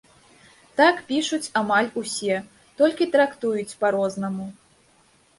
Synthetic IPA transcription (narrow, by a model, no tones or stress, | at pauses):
t̪akpʲiʂut͡sʲamalʲusʲɛ | t̪ɔlʲkʲit̪ɾakt̪ujut͡sʲpaɾɔznɐmu